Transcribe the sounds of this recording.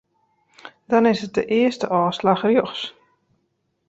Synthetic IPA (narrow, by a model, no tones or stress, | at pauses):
d̥ɔnɪsət̚dəʔɪəstəʔɔːslaxrjoxs